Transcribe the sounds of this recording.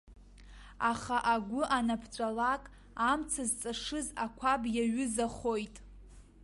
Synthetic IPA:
aχaʔaɡʷʊʔanapʰt͡ʃʷʼalakʼ | amt͡sʰazt͡sʼaʂɨzakʷʰabjaɥʊzaχojtʼ

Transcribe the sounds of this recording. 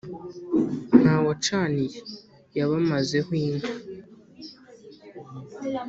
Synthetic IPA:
n̥hawat͡ʃaniɾi | jaβamaze̞hwiːŋɡa

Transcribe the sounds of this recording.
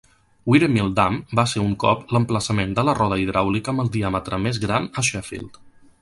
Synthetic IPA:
wiɾəmilˠd̪ambaseɾuŋkɔ̰pləmpləsəmend̪ələrɔðəiðɾʔawlikəmbəlˠd̪iamət̪ɾəmezɣɾanəʃɛfḭlˠt̪

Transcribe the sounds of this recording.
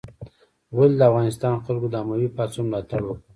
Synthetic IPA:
wald̪əafɣɑnɪst̪ɑnxalɡod̪amawipɑsumɾɑt̪aɽo

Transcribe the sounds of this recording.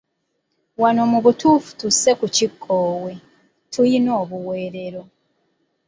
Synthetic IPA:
wano̞muβutuːfu̥tuse̞kucikʰːoːwe̞ | tʰujino̞ːβuweːɾe̞ɾo̞

